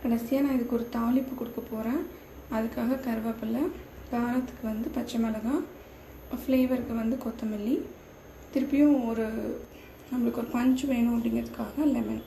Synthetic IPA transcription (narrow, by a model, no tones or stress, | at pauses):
kɐɽɐsɪjaːnãːɪðɯkːɔɾɯt̪aːlɪpːɯkɔɽɯkːɐpoːɾẽː | ɐðɯkːaːɣɐkɐɾɯʋɐpːɪlːɐkaːɾɐt̪ːɯ̥kːɯʋɐnd̪ɯpɐt͡ʃːɐmɐlɐɣa | fleːʋɐɾkːɯʋɐnd̪ɯkɔt̪ːɐmɪlːi | t̪ɪɾɯpːɪjõɔɾɯ | nɐmːɐɭɯkːɯɔɾɯpɐɲd͡ʒɯʋeːɳʊ̃ɐp̬ːɐɽɪŋɡɾɐðɯkːaːɣɐlɛmɐn